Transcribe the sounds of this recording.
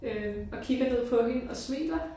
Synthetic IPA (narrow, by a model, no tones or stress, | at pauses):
øɒ̽kʰiɡ̥ɐne̝ð̞̰ˠpʰɒ̽ɦe̝nɒ̽smḛːlɐ